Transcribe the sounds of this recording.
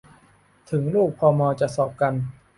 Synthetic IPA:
t̪ʰɯ˩˦ŋluː˥˩k̚pʰɔː˧mɔː˧t͡ɕa˨˩ʔsɔː˨˩p̚ka˧n

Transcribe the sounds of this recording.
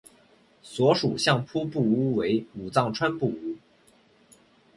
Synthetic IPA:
swɔ˧˥ʂu˨˩ɕjɑ˥˩ŋpʰu˥pu˥˩u˥we˧˥ɪu˨˩t͡sɑ˥˩ŋʈ͡ʂʰwa˥npu˥˩u˥

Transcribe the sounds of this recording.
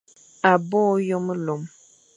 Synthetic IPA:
a˨bɔ˦jo˦m˦lo˨m

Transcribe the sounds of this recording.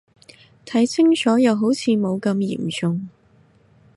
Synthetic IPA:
t̪ʰɐ˨˥jt͡sʰɪ˥ŋt͡sɔː˨˥jɐ˨˧wɦo˨˥wt͡sʰiː˨˧mo˨˧wkɐ˧mjḭː˨˩mt͡sʊ˧ŋ

